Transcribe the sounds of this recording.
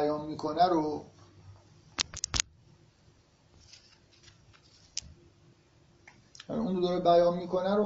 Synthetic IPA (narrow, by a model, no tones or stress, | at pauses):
jɒːnmiːkʰonæɾo | und̪od̪ɒːɾebæjɒːnmiːkʰonæɾo